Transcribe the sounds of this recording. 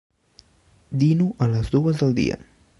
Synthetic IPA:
d̪inuʔələzd̪uəzðəlˠd̪ḭə̰

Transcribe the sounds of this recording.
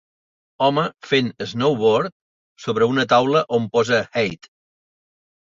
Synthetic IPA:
ɔməfenəznowβoɾt̪̚ | soβ̞ɾəunət̪awləʔompɔzəxɛjt̪

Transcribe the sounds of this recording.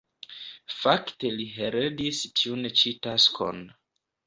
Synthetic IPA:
fakte̞liɦeɾedistʰiunt͡ʃitaskʰo̰n

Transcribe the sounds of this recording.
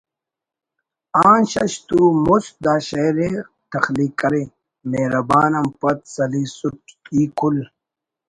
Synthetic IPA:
aːnɕɐɕt̪umusd̪aːɕɐjɾe | t̪ɐxliːkːɐɾi | neɾɐbaːnɐmpɐt̪sɐliːsuʈiːkʰul

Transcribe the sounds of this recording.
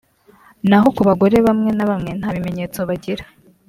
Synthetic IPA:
naɦo̞kuβaɡo̞ɾe̞βamŋe̞naβamŋe̞n̥haːβime̞ɲeːt͡so̞βaɟiɾa

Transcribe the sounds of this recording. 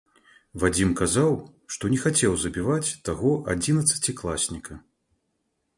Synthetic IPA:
vad͡zʲimkazawʂt̪ɔnʲɛxat͡sʲɛwzɐbʲivat͡sʲt̪aɣɔʔad͡zʲinɐt̪sɐ̥t͡sʲiklˠasʲnʲikɐ

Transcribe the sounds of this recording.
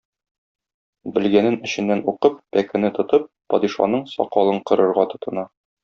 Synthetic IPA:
bɘ̆lɡænɘnɘ̆ɕɘ̆nːænuqɤpːækɘ̆nɘt̪ŏt̪ɤp̚ːɒd̪iʃɑ̰nɤɴsɒ̰qɒlˠɤɴqɤ̆ɾɤ̆ɾʁɑt̪ŏt̪ɤ̆nɑ

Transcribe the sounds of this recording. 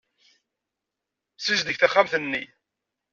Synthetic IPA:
sizd̪əçθæχːamθənːḭ

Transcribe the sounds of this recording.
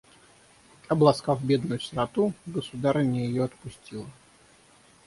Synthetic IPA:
ɐblˠɐskavbʲe̞d̪nʊjʊst̪ɾɐt̪uɡəsʊd̪aɾənʲɪjɪjoɐt̪pʊsʲtʲilˠə

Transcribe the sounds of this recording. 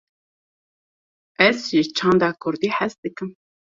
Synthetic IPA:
ʔɛzʒɪt͡ʃʰɑːnd̪ɑːkʰʊɾd̪iːħæst̪̚d̪ɨkɨm

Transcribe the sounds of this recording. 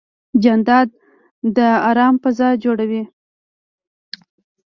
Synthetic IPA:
d͡ʒand̪ɑd̪̚ | d̪əɑɾɑmpəzɑjd͡ʒoɽawi

